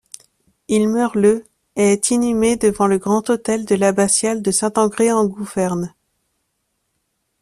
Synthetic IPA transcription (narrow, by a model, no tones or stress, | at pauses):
ilmœʁlə | eːt̪ʰinymed̪əvɑ̃ləɡʁɑ̃t̪ot̪ɛld̪əlabasjald̪əsɛ̃t̪ɑ̃ɡʁeɑ̃ɡuvɛʁn